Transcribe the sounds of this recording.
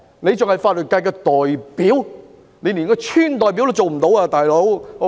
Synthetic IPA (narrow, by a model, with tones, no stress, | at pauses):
ne˨˧jt͡sʊ˨ŋhɐ˨jfaː˧t̚lɵ˨t̚kaː˧jkɛː˧t̪ɔː˨˩jpiː˨˥w | ne˨˧jniː˨˩nkɔː˧t͡ʃʰyː˥nt̪ɔː˨jp̬i˨˥wlo˧wt͡so˨wm̩˨˩t̪o˨˥waː˧t̪aː˨jlo˨˥w